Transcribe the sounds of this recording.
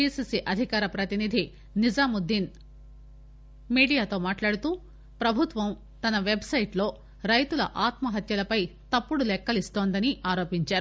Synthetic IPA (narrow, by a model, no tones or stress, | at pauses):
pisisiʔɐd̪ʱikaːɾɐpɾɐt̪inid̪ʱi | nid͡ʒaːmud̪ːin | miːɽijaːt̪o̞ːmaːʈlaːɽut̪uː | pɾɐbʱut̪ʋɐm | t̪ɐnɐʋe̞bʱsɐjʈlo̞ː | ɾɐjt̪ulɐ̰ʔaːt̪mɐɦɐt̪jɐlɐpɐjt̪ɐpːuɽulɛkːɐlist̪oːnd̪ɐniʔaːɾo̞ːpiɲt͡ʃaːɾu